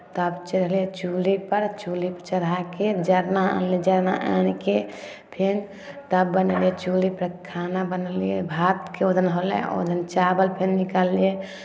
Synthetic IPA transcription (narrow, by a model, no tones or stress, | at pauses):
t̪əbt͡ʃəɾəɦliet͡ʃulipəɾt͡ʃulipət͡ʃəɾaked͡ʒəɾnaa̰nled͡ʒəɾna̰ʔa̰nke | pʰen | t̪əbbənlet͡ʃulipɾəkʰanabənəliebʱat̪keod̪ʱənɦolḛ̃o̰d̪ʱənt͡ʃabəlpʰenːikalie